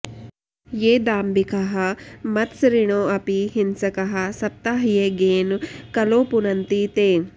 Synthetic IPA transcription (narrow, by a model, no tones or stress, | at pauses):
jeːd̪aːmbikɐɦɐmɐt̪sɾiɳ̃oːɐpiɦinsɐkɐɦɐsɐp̚t̪aːɦjeɡeːnkɐloːpunɐnt̪it̪eː